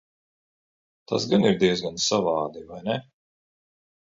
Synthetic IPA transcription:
t̪ʰa̰sɡaniɾd̪iɛzɡansavɑːd̪ivajnɛ

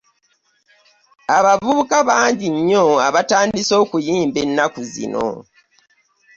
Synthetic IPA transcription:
aβavuukaβaːɲɟiɲːo̞aβataːndiso̞ːkujiːmbe̞nːakuzḭno̞̰

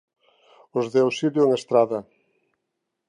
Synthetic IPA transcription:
ozðɛwsiljʊeŋest̪ɾaðɐ

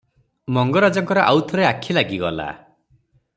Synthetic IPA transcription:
mɔŋɡɔɾad͡ʒɔŋkɔɾɔʔawt̪ʰɔɾeakʰilaɡiɡɔla̰

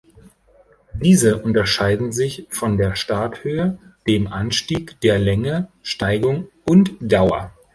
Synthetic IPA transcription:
d̥iːzəʔʊntɐʃaɪdn̩zɪçfɔndeːɐʃtaɐthøːəd̥eːmʔanʃtiːkd̥eːɐlɛŋəʃtaɪɡʊŋ | ʊntd̥aʊɐ̰

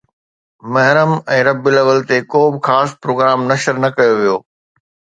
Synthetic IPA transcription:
mɐɦɪɾəmɛ̃ːɾɐbɪləʋəlt̪ekoːbɪxaːspɾoːɡɾaːmnɐʃəɾnɐkɐjoʋijoː

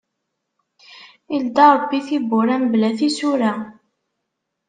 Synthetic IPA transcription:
ild̪ɑɾˤbːiθibːʊɾæmblæθisʊɾæ

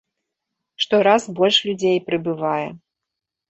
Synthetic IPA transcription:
ʂt̪ɔɾazbɔlʲʂlʲud͡zʲejpɾɨbɨvajɛ

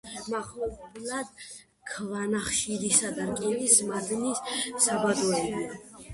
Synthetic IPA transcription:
maχɔblad̪ | kʰvanaχʃiɾisad̪aɾkʼinismaɡ̪nissabad̪ɔɛbia

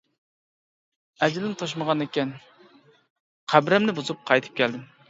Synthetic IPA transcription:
ɛd͡ʒlɪnt̪ʰoʃ̬məʁɑnekʲɛn | qʰæbɾɛmnɪbuzup̚qʰɑjt̪ʰɨ̥p̚kʲʰɛld̪ɪm

